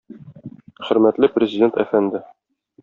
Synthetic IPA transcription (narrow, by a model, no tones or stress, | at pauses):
χɵ̆ɾmæt̪lɘprʲɪzʲɪdʲe̞nt̪æfænd̪ɘ